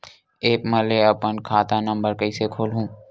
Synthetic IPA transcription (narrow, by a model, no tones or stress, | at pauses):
eːpmɐleɐpənkʰaːt̪anɐ̃mbəɾkɐisekʰoːlɦũː